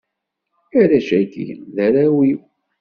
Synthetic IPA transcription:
æɾæʃækḭðæɾæwiw

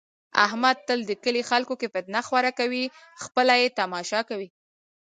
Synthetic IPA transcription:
a̰hmad̪̚t̪əld̪əkəlixalkokefɪt̪̚naxwaɾakawi | xpəlajet̪amɑʃɑkawi

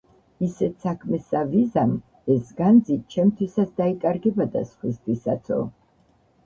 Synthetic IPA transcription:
isɛt̪sakʰmɛsavizam | ɛsɡand̪zit͡ʃʰɛmt̪ʰwisat̪sʰd̪aikʼaɾɡɛbad̪a̰sχwist̪ʰwisat̪sʰɔ̰

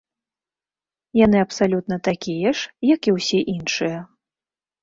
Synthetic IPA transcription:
jan̪ɨɐpsalʲut̪nɐt̪akʲijɛʂjɐkiwsʲɛʔinʂɨjɐ

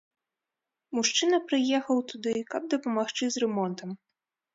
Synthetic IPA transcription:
muʂt͡ʂɨnɐpɾɨjɛxɐwt̪ud̪ɨkɐb̚d̪ɐpɐmaxt͡ʂɨzrɛmɔnt̪ɐm

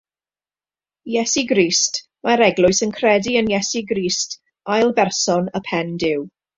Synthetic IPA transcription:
jɛsiɡriːst | maɾɛɡlˠʊɨsənkʰrɛdiənjɛsiɡɾiːst | ajlˠbɛrsɔnəpʰɛndɪw

